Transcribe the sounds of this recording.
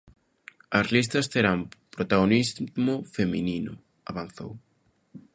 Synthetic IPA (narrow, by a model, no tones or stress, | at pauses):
ɐzlist̪ɐst̪eɾampɾot̪aɣonizmʊfemininʊ̰ | aβanθo̰w